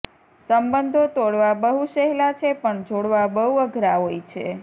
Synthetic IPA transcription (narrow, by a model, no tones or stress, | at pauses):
səmbənd̪ʱot̪oɽʋabəɦuʃəɦlat͡ʃʰepəɳd͡ʒoɽʋabəɦuəɡʱɾaɦojt͡ʃʰḛ